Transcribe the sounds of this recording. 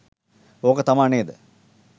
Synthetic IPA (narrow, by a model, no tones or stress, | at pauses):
oːkət̪ɐmaːneːd̪ə